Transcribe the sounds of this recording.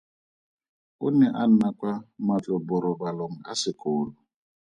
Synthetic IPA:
ʊnɛʔan̩nakwamat͡ɬʼɔbɔɾɔbalɔŋ̩a̰sɪkoːlʊ

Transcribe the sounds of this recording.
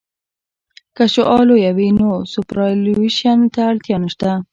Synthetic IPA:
kaʃoʔɑlojawinosupɾɑliʃant̪aɽt̪jɑnʃt̪a

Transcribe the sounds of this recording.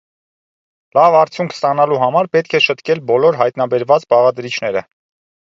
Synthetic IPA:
lɑvɑɾt͡sʰjuŋkʰst̪ɑnɑluɦɑmɑɾpɛt̪̚kʰɛʃət̪kɛlbɔlɔɾɦɑjt̪nɑbɛɾvɑt͡sbɑʁɑd̪ɾit͡ʃʰnɛɾə̰

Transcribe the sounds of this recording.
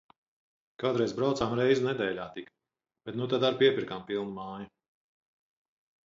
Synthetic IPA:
kaːd̪ɾɛjzbɾawt̪saːmɾɛjzɪnɛd̪ɛːlʲaːt̪ik | b̥ɛt̪nut̪ad̪aɾpiɛpʲiɾkampilˠnumaːjɐ

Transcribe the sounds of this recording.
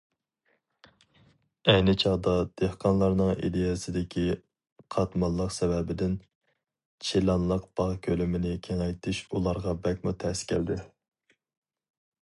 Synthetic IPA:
ɛjnɪt͡ʃʰɑʁd̪ɑd̪̥ehqʰɑnlˠɑɾnɨŋḭd̪ejɛsɪd̪ɪkʲʰi | qʰɑt̪mɑlˠːəqsɛvɛbɪd̪ɪn | t͡ʃʰilɑnlˠəq̚b̥ɑʁkʲʰølymɪnɪkʲʰeŋɛjt̪ʰɪʃulˠɑɾʁɑbɛk̚ʲmut̪ʰɛskʲʰæ̰ld̪ɪ

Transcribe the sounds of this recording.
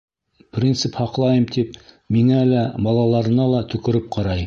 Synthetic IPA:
prʲint̪sɘphɑqlˠɑjɤmt̪ip | miŋælæbɑlˠɑlˠɑɾɤ̆nɑlˠɑt̪ɵ̆kɘ̆ɾɘp̚qʰɑɾɑj

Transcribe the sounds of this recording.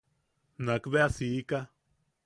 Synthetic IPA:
nãkβeasika

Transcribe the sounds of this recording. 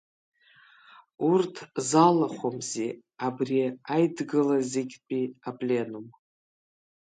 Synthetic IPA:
urtʰzalaχʷomze | abrijaajdɡɨlazeɡʲpʼiapʼlʲe̞num

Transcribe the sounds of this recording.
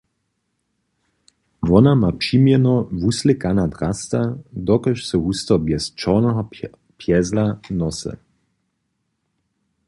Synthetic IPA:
vɔnamapʃimjɛnɔvuslɪkanad̪ʁast̪ad̪ɔkɔʃsɔɦust̪ɔbjɛst͡ʃɔʁnɛɦɔ | pʰjɛzlanɔsɛ̰

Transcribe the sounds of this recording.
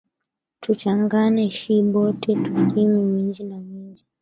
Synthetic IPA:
tʰut͡ʃaŋɡanɛʃiɓɔtɛtuɾimimiɲd͡ʒinamiɲd͡ʒi

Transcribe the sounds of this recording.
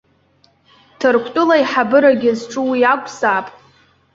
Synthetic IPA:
tʰɨrkʷʰtʼʊlajħabɨɾaɡʲɪzʈ͡ʂʼɨwiakʷʼʰzaːpʼ

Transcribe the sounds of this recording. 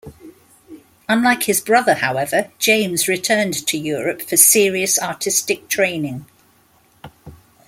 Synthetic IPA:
ʌ̃nlaɪkhɪzbɹʌðəhaʊɛvəd͡ʒ̥ẽɪ̃mzɹɪtʰɜːntʰəjɔːɹəpfəsɪəɹiəsɑˑtʰɪstɪk̚tʰɹ̥ẽɪ̃nɪ̃ŋ

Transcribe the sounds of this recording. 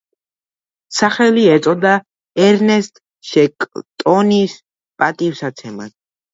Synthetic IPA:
saχɛliɛt̪sʼɔd̪a | ɛɾnɛst̪ʼ | ʃɛkʼt̪ʼɔnis | pʼat̪ʼifsat̪sʰɛma̰t̪

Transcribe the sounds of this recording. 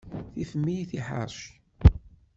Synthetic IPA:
θifəmːijθiħa̰ɾˤʃ

